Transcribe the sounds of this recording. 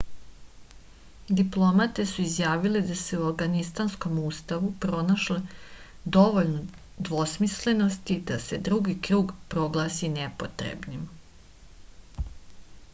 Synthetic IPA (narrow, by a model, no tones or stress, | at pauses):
d̪iplˠo̞mat̪e̞suizjaːʋiled̪aseuafɡanist̪ansko̞muːst̪aʋupɾo̞naʃle | d̪o̞ʋo̞ʎno | d̪ʋo̞smisle̞no̞st̪id̪ased̪ɾuɡikɾuːɡpɾo̞ɡlˠaːsinepot̪ɾḛbnim